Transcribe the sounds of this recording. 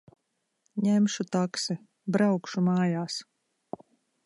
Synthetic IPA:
ɲæmʃut̪aksi | bɾawkʃumaːjaːs

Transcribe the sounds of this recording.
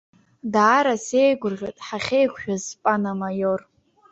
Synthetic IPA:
daːɾasejɡʷʊrʁʲʷᶣatʼħaχʲejkʷʰʼʃᶣazpʼanamajor

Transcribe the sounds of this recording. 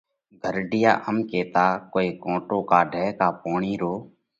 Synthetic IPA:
ɡʱəɾɖɪja̰ːʔəmkeːt̪aːkoːeːkõːʈoːkaːɖʱɛːkaːpoːɳiːɾoː

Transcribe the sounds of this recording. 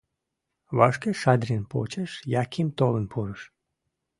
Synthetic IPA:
βɑʃkeʃɑd̪ɾʲenpo̰t͡ɕeʃjɑkʰimt̪olənpʰuɾəʃ

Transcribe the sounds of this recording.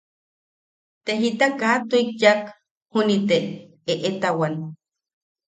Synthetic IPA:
t̪eɦit̪akat̪uik̚jak | hunit̪e | eʔet̪awan

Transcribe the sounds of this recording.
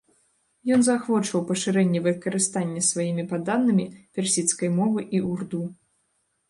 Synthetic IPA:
jɔnzaxvɔt͡ʂvɐwpɐʂɨɾɛnʲːɛvɨkɐɾɨst̪anʲːɐsvajimʲipad̪anːɨmʲipʲɛrsʲit̪skɐjmɔvɨʔiurd̪u

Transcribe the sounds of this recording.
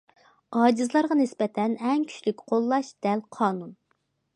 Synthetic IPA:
ɑːd͡ʒizlˠɑɾʁɑnɪspɛt̪ʰɛnɛŋkʲʰy̥t͡ʃʲlykʲqʰolˠːɑʃd̪̥ɛlqʰɑːnun

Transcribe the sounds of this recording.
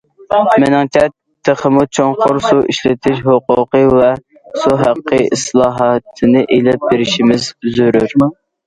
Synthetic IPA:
mɪnɛŋt̪ʲʰɛt̪ʰːəχəmut͡ʃʰoɴqʰʊɾsuʔiʃlɪt̪ʰɪʃhoqʊqəvɛ | suɦæqːəḭslˠɑːɦɑt̪ʰɨnɨʔelɪp̚beɾɪʃimɪzzyɾyɾ

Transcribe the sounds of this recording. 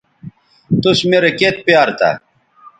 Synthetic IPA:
t̪uɕmeɾeket̪̚pjaːɾt̪a̰

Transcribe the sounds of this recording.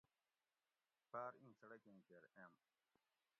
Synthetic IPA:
paːɾĩːsɐɽɐkẽːkeɾem

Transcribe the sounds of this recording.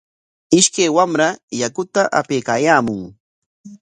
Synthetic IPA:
ɪʃkajwamɾajakʊt̪aʔapejkaːjaːmʊŋ

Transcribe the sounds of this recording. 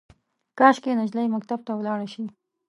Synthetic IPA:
kɑʃkenad͡ʒləjmak̚t̪ab̚t̪awlɑɽaʃi

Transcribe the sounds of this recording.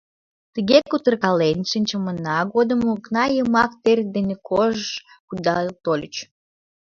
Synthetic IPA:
t̪əɣekut̪ərkɑlenʲʃənʲt͡ɕəmənɑɣod̪əmuknɑjəmɑk̚t̪erʲd̪enekʰoʒəʃ | kud̪ɑt̪olʲət͡ɕ

